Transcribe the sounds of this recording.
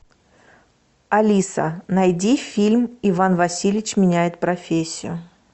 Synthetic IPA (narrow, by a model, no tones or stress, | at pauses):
ɐlʲisə̰nɐjdʲifʲilʲmɪvanvɐsʲilʲɪt͡ɕmʲɪnʲæjɪt̪̚pɾɐfʲesʲːɪjʊ